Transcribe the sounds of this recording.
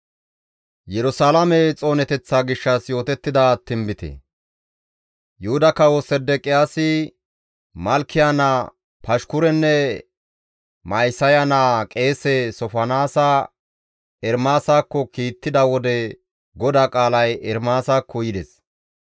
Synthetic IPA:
jɛɾʊsaːlɐmɛt͡sʼo̞ːnɛt̪ɛt͡sːaːɡɪʃːɐsjo̞ːt̪ɛt̪ːɪd̪ɐt̪ːɪmbɪt̪ɛ̰ | jʊhʊd̪ɐkːɐwɔsɛd̪ɛkʼɪjaːsɪ | mɐlkʰːɪjanɐ | pɐʃkʊɾɛnːɛ | mɐjsɐjɐnaːkʼe̞ːsɛsɔfɐnaːsa | ɛɾmaːsaːkːɔkiːt̪ːɪd̪ɐwɔd̪ɛ | ɡɔd̪aːkʼaːlɐjɛɾmaːsaːkʰːɔjɪd̪ɛs

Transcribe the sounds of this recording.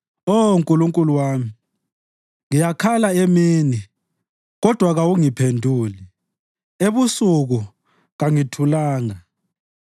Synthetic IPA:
ouŋkʼuluŋkʼuluwaːmi | ŋijakʰalaemiːni | ɣɔd̥ʱwaɣawuŋipʰendʱuːli | eβusuɣu | ɣaŋitʰulaːŋa

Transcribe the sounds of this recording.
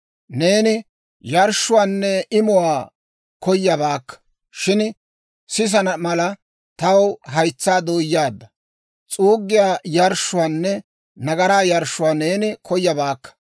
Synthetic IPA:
ne̞ːnɪ | jɐɾʃːʊwaːnːɛʔɪmʊwaː | kɔjːɐbaːkːɐ̥ | ʃɪn | sɪs̬ɐnɐmɐlɐ | t̪ɐwɦɐjt͡sːaːd̪oːjːaːd̪ːɐ | t͡sʼuːɡːɪjaːjɐɾʃːʊwaːnːɛ | nɐɡɐɾaːjɐɾʃːʊwaːne̞ːnɪkʰɔjːɐbaːkːɐ̥

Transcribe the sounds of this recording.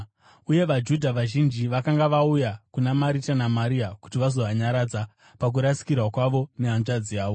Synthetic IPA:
uje̞ʋad͡ʒudʱaʋaʒind͡ʒiʋakaŋɡaʋaujakunamaɾitanamaɾiaku̥tiʋazo̞ʋaɲaɾaːd͡za | pak̬uɾasi̥kirwakwaʋo̞neɦanʐad͡ziaːʋo

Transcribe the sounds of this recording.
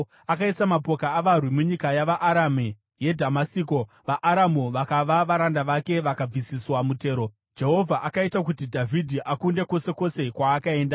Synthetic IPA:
akaisamapo̞kaːʋarwimuɲikajaʋaʔaɾame | je̞dʱamasiko | ʋaʔaɾamuʋakaʋaʋaɾandaʋake̞ʋakab͡visiswamute̞ːɾo̞ | d͡ʒe̞ɦo̞vʱaʔakaitak̬utidʱavʱidʱiʔakunde̞ko̞se̞ko̞se̞kwaːkae̞ːnda

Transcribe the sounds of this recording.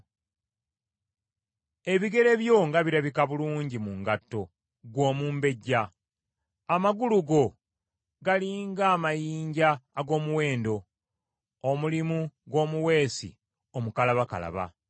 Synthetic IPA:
e̞βiɡe̞ɾe̞βjo̞ŋɡaβiɾaβikaβuluːɲɟimuŋɡatːo̞ | ɡwo̞ːmuːmbe̞ɟːaː | maɡuluɡo̞ | ɡaliŋɡaːmajiːɲɟaːɡo̞ːmuwe̞ːndo̞ː | mulimuɡwo̞ːmuwe̞ːsḭ | omukalaβaka̰la̰βa̰

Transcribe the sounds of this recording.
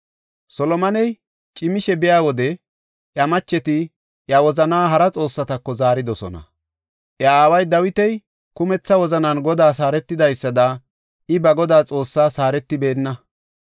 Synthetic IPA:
sɔlɔmɐnɛj | t͡ʃʼɪmɪʃɛbɪjaːwɔd̪ɛ | ʔjɐmɐt͡ʃːɛt̪ɪ | ʔjɐwɔzɐnaːɦɐɾɐt͡sʼo̞ːsːɐt̪ɐkːɔzaːɾɪd̪ɔsɔ̰nɐ̰ | ʔjɐaːwɐjd̪ɐwɪt̪ɛj | kʊmɛt͡sːɐwɔzɐnɐnɡɔd̪aːs̬aːɾɛt̪ːɪd̪ɐjsːɐd̪ɐ | ʔɪbɐɡɔd̪aːt͡sʼo̞ːsːaːsaːɾɛt̪ːɪbe̞ːnːɐ

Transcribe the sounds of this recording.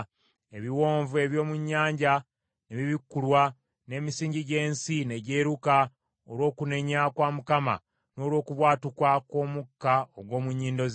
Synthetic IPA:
e̞βiwo̞ːɱvue̞βjo̞ːmuɲːaːɲɟa | neβiβikːulwa | ne̞ːmisiːɲɟiɟe̞ːnsine̞ɟe̞ːɾuka | olwo̞ːkune̞ɲakwaːmukama̰ | no̞ːlwo̞ːkuβwaːtukwako̞ːmukːaoɡwo̞ːmuɲːiːndo̞z

